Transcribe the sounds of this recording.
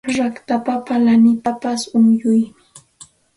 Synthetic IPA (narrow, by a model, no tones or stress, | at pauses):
ɾakt̪apapalanɪt̪apasʊŋjʊjmɪ